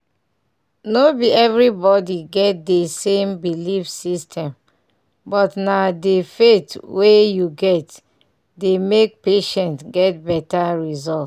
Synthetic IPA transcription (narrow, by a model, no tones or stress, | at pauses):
nobiɛvɹibɔdiɡɛt̚desẽmbilifsistʰɛ̃m | bɔtnadefetwejuɡɛt | demek̚peʃɛ̃ntɡɛt̚bɛtaɹizɔlt